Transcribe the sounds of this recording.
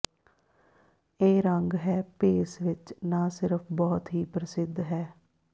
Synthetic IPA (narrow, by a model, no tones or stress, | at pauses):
eːɾəŋɡɦɛːpeːsʋɪt͡ʃnãːsɪɾəpʰbɔːt̪ɦiːpɾəsɪd̪ʱɦɛː